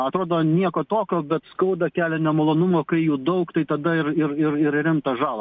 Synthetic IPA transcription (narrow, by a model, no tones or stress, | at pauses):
ɐt̪ɾoːd̪oːnʲiɛkoːt̪oːkʲoːbʲɛt̪skɐʊd̪ɐkʲæːlʲɛnʲɛmɐlˠoːnʊmoːkɐɪjuːd̪ɐʊkt̪ɐɪt̪ɐd̪ɐɪɾɪɾɪɾɪɾɾʲɪmt̪ɐʒɑːlˠɐ